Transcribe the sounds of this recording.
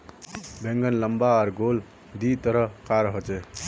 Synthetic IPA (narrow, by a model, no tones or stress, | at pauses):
bʱeŋɡənləmbaɔɾɡol | d̪it̪əɾʌkaɾɦot͡ʃe